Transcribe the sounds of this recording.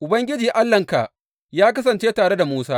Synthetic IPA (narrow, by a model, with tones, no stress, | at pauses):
ʔʊ˨bɐ˦ŋɡʲɪ˦d͡ʒiː˨ʔa˦lːɐ˨ŋka̰˨ | jaː˦k̬ɐ˦s̬ɐ˨nt͡ʃeː˦taː˨ɽe˦da˨muː˦saː˦